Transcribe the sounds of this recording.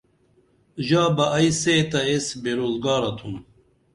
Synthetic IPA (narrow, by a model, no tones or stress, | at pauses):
ʑaːbɐʔːjseːt̪ɐesbeɾoːzɡaːɾɐt̪ʰum